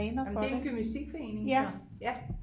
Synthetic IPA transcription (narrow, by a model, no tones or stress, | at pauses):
ɛːnɐfɒ̥̽de̥enɡ̥ʰymnisd̥iɡ̥fɒe̝̰ːne̝ŋjæ | jæ